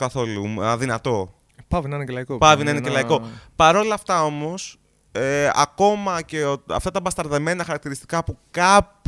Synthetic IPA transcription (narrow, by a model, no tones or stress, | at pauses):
kɐθo̞luðinɐt̪o̞ | pɐvinɐinecelɐikopɐvinɐinecelɐiko̞pɐɾo̞lɐːft̪ɐo̞mo̞s | eɐ̰ko̞mɐce̞oɐ̰ft̪ɐt̪ɐbɐst̪ɐɾðeme̞nɐxɐɾɐk̚t̪iɾist̪i̥kɐpukɐp